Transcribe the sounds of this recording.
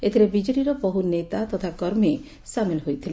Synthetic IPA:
et̪ʰiɾebid͡ʒɔɽiɾɔpɔɦunet̪at̪ɔt̪ʰakɔɾme | samelɦojt̪ʰile

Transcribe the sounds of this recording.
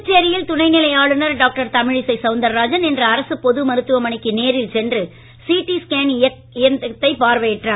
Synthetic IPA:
t͡ʃːɪjɐɾɪjɪlt̪ʊnɐɪnɪlɐjaːɭɯnɐɾɖaːk̚ʈɐɾt̪ɐmɪɻɪsɐɪsɐʊnd̪ɐɾːaːd͡ʒɐnɛndrɐɐɾɐsɯpɔðɯmɐɾɯt̪ːɯʋɐmɐɳɪkːɯneːɾɪlsɛndrɯ | siːʈːiskeːnɪ | ɪɐt̪ːɐɪpaːɾʋɐjɪʈraː

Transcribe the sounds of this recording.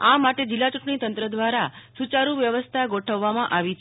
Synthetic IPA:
amaʈed͡ʒilːat͡ʃũʈɳit̪ənt̪ɾəd̪ʋaɾasut͡ʃaɾuʋjəʋəst̪ʰaɡoʈʰəʋːamãʔaʋit͡ʃʰ

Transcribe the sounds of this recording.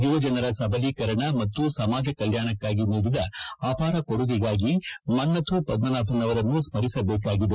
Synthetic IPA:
uʋɐd͡ʒɐnɐɾɐsɐbʱɐlikɐɾɐɳɐmɐt̪ːusɐmaːd͡ʒɐkɐljaːɳɐkːaːɡinuːɽid̪ɐaːpaːɾɐkoɽuʋiɡaːɡimɐnːɐt̪ʰupɐd̪̚mɐnaːpʰɐnɐʋɐɾɐnːusmɐɾisɐbɛːk̬aːɡid̪e

